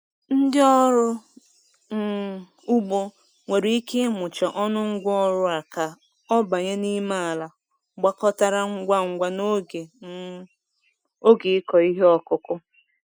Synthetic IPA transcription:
n̩˦dɪ˦ɔ˦ɾʊ˦˨ | u˦ɡ͡bo˦ | ŋʷe˨ɾi˦i˦ke˦mʊ˨t͡ʃa˨ʔɔ˦nʊ˦ŋ̩˦ɡʷɔ˦ɾʊ˦a˨ka˨ | ɔ˦ba˨ɲe˦ni˦ma˦a˨la˨ | ɡ͡ba˦kɔ˦ta˦ɾa˦ŋ̩˦ɡʷa˦ŋ̩˦ɡʷa˦no˦e˨ | o˦ɡe˨ɪ˦kɔ˨i˦ɦe˦ɔ˦kʊ˦kʊ˦

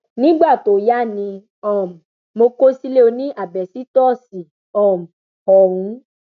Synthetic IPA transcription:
nĩ˦ɡ͡ba˦˨to˨ja˦nĩ˧ | ɔ̃˦˨m̩˨ | mo˧ko˦si˦le˦o˧nĩ˦ʔa˦˨bɛ˨si˦tɔ˦˨si˨ | ɔ̃˨m̩˨ | hɔ˧ɾũ˨˦

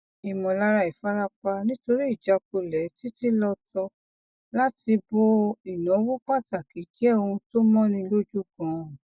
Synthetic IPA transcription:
i˨mɔ̃˨la˧ɾa˧˨i˨fa˦ɾa˦k͡pa˧nĩ˦to˧ɾi˦i˦˨d͡ʒa˧k͡p̚o˧lɛ˨˦ti˦ti˦lɔ˧tɔ˧ | la˦ti˧bo˧i˨nɔ̃˨˦wo˦k͡pa˦˨ta˨ki˨˦d͡ʒɛ˦˧ũ˧to˦mɔ̃˦nĩ˧lo˦d͡ʒu˦˨ɡɔ̃˨˦˨

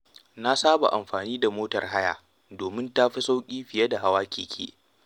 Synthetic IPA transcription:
na˦saː˦ba̰˨ʔa̰˨mɸaː˨niː˦da˨moː˦tɐ̰˨rɦa˦ja̰ː˨ | doː˨mɪ˦nta˦ɸi˦sa˦wkʲʼiː˦ɸɪ˨jɐ˦da˨ɦa˦waː˦kʲiː˨kʲʰḛː˦

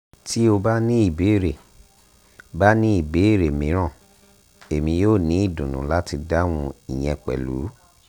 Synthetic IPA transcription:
ti˦o˧ba˦nĩ˦i˦˨be˨˦˨ɾe˨ | ba˦nĩ˦i˦˨be˨˦i˦˨ɾe˨mĩ˨˦ɾ̃ã˦˨ | e˨mĩ˧joː˦˨nĩ˨˦i˦˨dũ˨nũ˨˦la˦ti˧da˦w̃ũ˧i˨j̃ɛ̃˧k͡pɛ̰˨lṵ˨˦

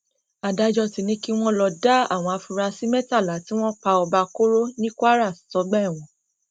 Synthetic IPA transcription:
a˨da˧d͡ʒɔ˧ti˧nĩ˦ki˦w̃ɔ̃˦lɔ˧da˦a̰˦˨w̃ɔ̃˧a˧fu˧ɾa˧si˦mɛ̃˦ta˦˨la˨˦ti˦w̃ɔ̃˦k͡pa˧ɔ˧ba˧ko˦ɾo˦nĩ˦kʷa˦ɾa˦˨sɔ˨˦ɡ͡bɛ˦˨w̃ɔ̃˨˦

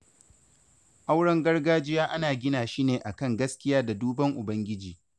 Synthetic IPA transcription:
ʔa˦wɽɐ˦ŋɡɐ˦rɡaː˦d͡ʒɪ˦jaː˦ʔa˦naː˨ɡʲɪ˦naː˨ʃiː˦neː˨ʔa˨kɐ˦˨ŋɡɐ˦skʲɪ˦jaː˦da˨duː˦bɐ˦ŋʔʊ˨bɐ˦ŋɡʲɪ˦d͡ʒiː˨

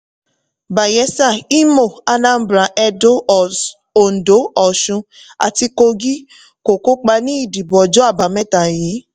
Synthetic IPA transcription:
ba˨jɛ˨˦sa˦˨i˦mo˦˨a˧nã˦m̩˦bɾa˨ʔɛ˧do˦˨ | o˨n̩˨do˨˦ɔ˨ʃũ˧ | a̰˨ti˧ko˧ɡi˦ | ko˨ko˦k͡pa˧nĩ˦i˦˨di˨bɔ˨d͡ʒɔ˨˦a˦˨ba˨˦mɛ˦ta˨ji˨˦

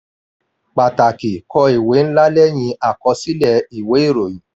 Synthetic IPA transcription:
k͡pa˨ta˨ki˨kɔ˧i˨we˨˦n̩˦la˦lɛ˦j̃ĩ˧a˦˨kɔ˧si˦lɛ˧˨i˨we˨˦i˦˨ɾo˨ji˨˦

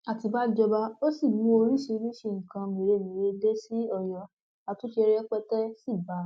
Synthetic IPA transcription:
a˨ti˧ba˦d͡ʒɔ˧ba˧o˦si˦˨mũ˨˧˦o˧ɾi˦ʃe˧˦ɾi˦ʃi˧˨ŋ̩˨kã˧mẽ˨ɾe˨˧mĩ˨ɾe˧de˦si˦ɔ˦˨jɔ˨ | a˧tũ˨˦ʃe˧ɾɛ˦k͡pɛ˦tɛ˦si˦˨ba˨˦

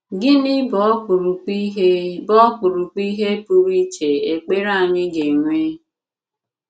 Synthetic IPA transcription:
ɡɪ˦nɪ˦bɔ˨˦u˨ɾu˨k͡pi˦ɦbɔ˦k͡pu˨ɾu˨k͡pi˦ɦe˦pu˦ɾi˦t͡ʃe˨e˨k͡pe˦ɾa˦˨ɲɪ˦ɡe˨ŋʷe˦

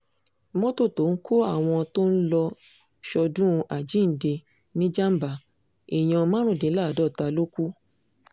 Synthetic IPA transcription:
mɔ̃˦to˦˨to˨˦ŋ̩˦kʰo˦a˦˨w̃ɔ̃˧to˦n̩˦lɔ˧ | ʃɔ˧dũ˦˧ʔa˨d͡ʒĩ˦n̩˨de˧ | nĩ˦d͡ʒa˦m̩˦ba˨ | i˨j̃ã˨˧mã˦ɾ̃ũ˦˨de˨˦la˦˨dɔ˦˨ta˧lo˦ku˦

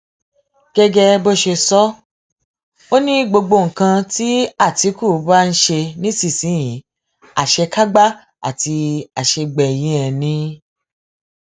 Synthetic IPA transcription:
ɡ̥ɛ˦ɡɛ˧bo˦ʃe˧sɔ˦ | o˦nĩ˦ɡ͡bo˧ɡ͡bo˧˨ŋ̩˨kã˧ti˦a˦˨ti˨˧˦ku˦˨˦ba˦n̩˦ʃe˧nĩ˦si˦˨sĩ˨˦jĩ˨˦ | a˨ʃɛ˧ka˦ɡ͡ba˦ | a̰˦˨ti˧a˨ʃe˧ɡ͡bɛ˨jĩ˨˦ɛ̃˨nĩ˧˦

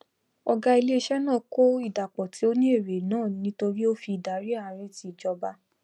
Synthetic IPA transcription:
ɔ˧ɡa˧i˧le˦˧ʃɛ˦nãː˦˨ko˦i˦˨da˨k͡pɔ˨ti˨˦o˦nĩ˦e˦˨ɾe˨nãː˦˨nĩ˧˦to˧ɾi˦o˦fi˧i˨da˨˦ɾi˦a˧˨ɾe˦ti˨d͡ʒɔ˧ba˧

